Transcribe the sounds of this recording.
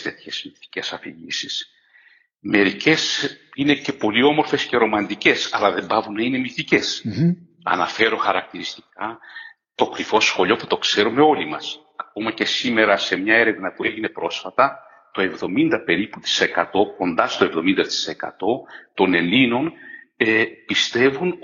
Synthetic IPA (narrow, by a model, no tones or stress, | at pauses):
t̪e̞t̪çez̥miθi̥ce̞sɐfiʝisis | me̞ɾice̞sine̞ce̞po̞lio̞mo̞ɾfe̞sce̞ɾo̞mɐnd̪ice̞sɐ̰lɐðe̞mbɐvunːɐine̞miθice̞s | ɐ̰nɐfe̞ɾo̞xɐɾɐk̚t̪iɾist̪i̥kɐ | t̪o̞kɾifo̞sxo̞ʎo̞pu̥t̪o̞kse̞ɾume̞o̞limɐ̰s | ɐko̞mɐce̞sime̞ɾɐse̞mɲɐe̞ɾe̞vnɐpue̞ʝine̞pɾo̞sfɐt̪ɐ | t̪o̞e̞vðo̞mind̪ɐpe̞ɾiput̪i̥se̞kɐt̪o̞ko̞nd̪ɐst̪oe̞vðo̞mind̪ɐt̪i̥se̞kɐ̰t̪o̞t̪o̞ne̞lino̞nepist̪e̞vun